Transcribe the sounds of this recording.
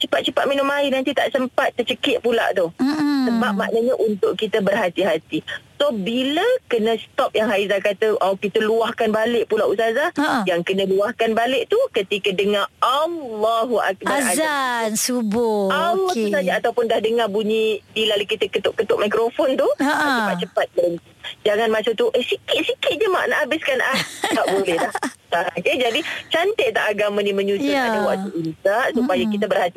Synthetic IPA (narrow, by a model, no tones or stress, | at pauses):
t͡ʃəpat̪̚t͡ʃəpat̪̚minʊmainant̪it̪a̰ʔsəmpat̪̚ːət͡ʃəkɪʔ̪̚pula̰ʔt̪usəbap̚ma̰ʔnəɲəʔunt̪ʊʔkit̪əbərɦat̪iɦat̪isobiləkənə̃st̪ɔp̚jaŋɦaizakat̪əʔɔkit̪əluahkanbalɪʔpulaʔusazajaŋkənə̃luahkanbalɪʔt̪ukət̪ikədəŋãalːɔɦuʔa̰k̚baazansubʊalːɔhusad͡ʒaat̪aupʊndahdəŋabuɲidilalukit̪akət̪ʊʔkət̪ʊʔ̚majkɾofɔnt̪uat͡ʃəpat̪̚t͡ʃəpat̪̚məɾən | d͡ʒaŋanmat͡ʃamt̪uʔəsikɪt̪̚sikɪt̪̚d͡ʒəma̰ʔnaʔabɪskanʔah̪aʔbolɛhlahaked͡ʒadit͡ʃant̪ɪʔt̪aʔaɡamãniməɲut͡ʃukanawaʔt̪uʔisaʔsupajakit̪abərhat̪i